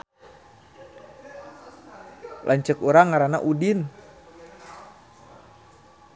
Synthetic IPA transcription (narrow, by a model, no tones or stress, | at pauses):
lʔaɲt͡ʃəkuɾaŋːaɾana̰ʔudin